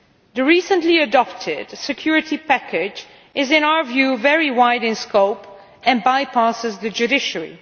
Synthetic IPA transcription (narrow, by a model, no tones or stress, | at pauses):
ðɨɹisə̃nliədɔp̚tʰɪd̥sɨkʰj̥ʊɹɪtipækɪd͡ʒ | ʔɪzɪ̃naʊə˞vjʉvɛɹiwaɪdɪ̃nskoʊp | ɨ̃nbajpʰasɪzðɨd͡ʒʉdɪʃəɹḭ